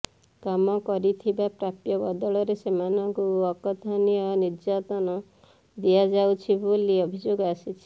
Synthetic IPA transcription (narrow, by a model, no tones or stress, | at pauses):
kamɔkɔɾit̪ʰibapɾapjɔbɔd̪ɔɭɔɾesemanɔŋkuɔkɔt̪ʰanijɔniɾd͡ʒat̪ɔnɔ | d̪ijad͡ʒawt͡ʃʰibuliɔbʱid͡ʒoɡɔasit͡ʃʰi̥